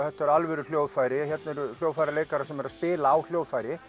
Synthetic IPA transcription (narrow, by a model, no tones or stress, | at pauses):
θɛht̪ːɛɾalvɛɾʏl̥joːwðfajɾɪçjɛt̪nɪɾljowfajɾaleːjkaɾasɛmɛɾaspɪːlaːwl̥joːwðfajɾɪ